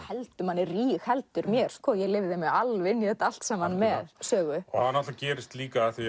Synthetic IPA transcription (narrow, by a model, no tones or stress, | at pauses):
hɛlt̪ʏmanːɪrriːxhɛlt̪ʏɾmjɛɾ̥skvɔːjɛɣlɪvðɪɪmɛalvɪnːiθɛt̪ːaal̥t̪sɛmhanmɛðsœːɣʏɔhanːaht̪lacɛːɾɪst̪liːkaaθi